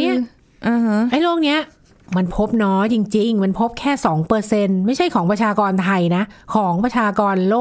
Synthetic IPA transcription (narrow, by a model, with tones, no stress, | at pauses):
ni˦˥ɐ | ʔhʔa˦˥jlu˥˩ək̚ni˦˥ɐ | ma˧npʰo˦˥p̚nɔː˦˥jt͡ɕi˧ŋt͡ɕi˧ŋma˧npʰo˦˥p̚kʰɛː˥˩sɔː˩˦ŋpɤː˧se˧nma˥˩jt͡ɕʰa˥˩jkʰɔː˩˦pɾa˧t͡ɕʰaː˧kɔː˧nt̪ʰa˧jna˦˥kʰɔː˩˦ŋpɾa˧t͡ɕʰaː˧kɔː˧nloː˥˩